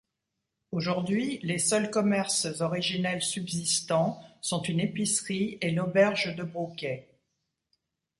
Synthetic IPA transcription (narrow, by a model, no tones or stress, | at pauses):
oʒuʁd̪ɥilesœlkɔmɛʁszɔʁiʒinɛlsybzist̪ɑ̃sɔ̃t̪ynepisχielɔbɛʁʒd̪əbʁukʲɛ